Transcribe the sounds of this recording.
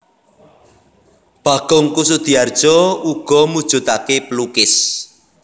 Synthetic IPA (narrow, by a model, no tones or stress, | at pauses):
b̥a̤ɡ̥ʊŋkus̬ud̪̥i̤ard̥ʒ̥ɔ̤uɡ̥ɔ̤mud̥ʒ̥ṳt̪akepəlukɪs